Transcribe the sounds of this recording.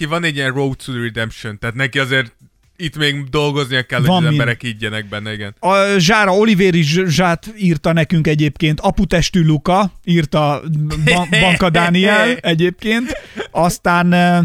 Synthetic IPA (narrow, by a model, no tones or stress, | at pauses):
ivɒnɛɟːijɛnrowt̪suɾid̪ɛmpʃont̪aːt̪nɛkiɒzeːr | it̪meːɡd̪o̞lɡo̞znijɒkːɛlːovɒmɛmibɛɾɛkiɟːɛnɛɡ̚bɛnːɛiɡɛnɒʒaːɾɒo̞liveːɾiʒʒaːt̪iːrt̪ɒnɛkyŋkɛɟeːpkeːnt̪ɒput̪ɛʃt̪ylukɒiːrt̪ɒbbɒŋkɒd̪aːniɛlɛɟeːp̚keːnt̪ɒst̪aːn